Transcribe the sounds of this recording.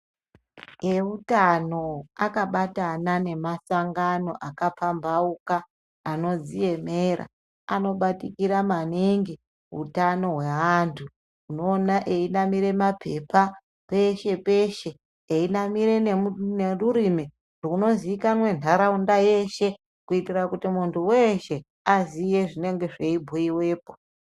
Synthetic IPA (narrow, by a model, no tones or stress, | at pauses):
eutano̞akaɓatanane̞masaŋɡano̞ʔakapambaukaː | no̞zije̞meɾa̰ | ano̞ɓatikiɾamaniŋɡi | ɦṵtano̞ɦwe̞antʰu | uno̞ːnaʔeinamiɾe̞mapʰepa | pe̞ʃe̞pe̞ʃe̞ː | inamiɾe̞neneruɾimi | rouno̞ziikanwe̞ntʰaɾaundaje̞ʃe̞ | kuitirakutimuntuweʃe̞ | azije̞ʐine̞ŋɡe̞ʐe̞ibʱoiwe̞ːp̚o